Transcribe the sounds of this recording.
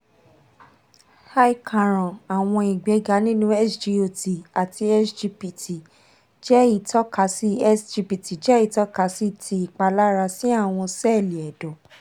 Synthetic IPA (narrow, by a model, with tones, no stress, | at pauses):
ha˦i˦kʰã˨ɾ̃ɔ̃˨a˨w̃ɔ̃˧i˨ɡ͡bɛ˨˦ɡa˨˦nĩ˦nũ˦ɛ˦sd͡ʒi˧o˧ti˨a˨ti˧ɛ˦sd͡ʒi˧pi˨ti˨ | d͡ʒɛ˦i˦˨tʰɔ˦ka˨˦si˦ɛ˦sd͡ʒi˧pi˨ti˨d͡ʒɛ˦i˦˨tɔ˦ka˨˦si˦tʰi˧i˨k͡pa˧la˦ɾa˧si˦a˦˨w̃ɔ̃˧sɛ˦˨li˨ɛ˨dõ˨